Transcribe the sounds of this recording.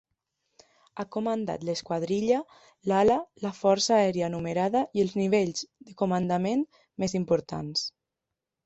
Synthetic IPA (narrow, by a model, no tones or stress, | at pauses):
akomənd̪a̰t̪ləskwaðɾiʎa | lalalafɔɾsaːɛɾjaːnumeɾaðaiəlˠzniβeʎzðəkomand̪amen | mezimpoɾt̪a̰ns